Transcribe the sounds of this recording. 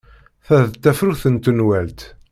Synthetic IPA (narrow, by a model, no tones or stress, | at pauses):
θæðt̪ːæfɾuθənt̪ənwælt̪